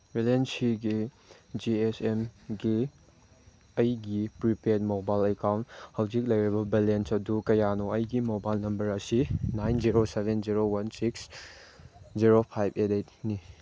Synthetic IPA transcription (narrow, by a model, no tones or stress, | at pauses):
belensiɡi | d͡ʒiesemɡi | ɐjɡipɾipet̚mobajlekawnthɐwd͡ʒik̚lɐjɾibɐbilensɐdukɐjanɔɐjɡimobajlnɐmbɐɾɐsinajnziɾosebʱenziɾowɐnsiks | d͡ʒiɾopʰajbedet̚ni